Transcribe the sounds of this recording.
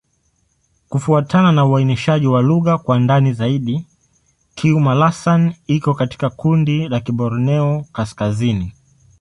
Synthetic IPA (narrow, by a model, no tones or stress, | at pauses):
kufuatʰananauainiʃaʄiwaluɣakwandanizaiɗi | kʰiumalasanikɔkati̥kakundilakiɓɔɾɔnɛɔkaskazini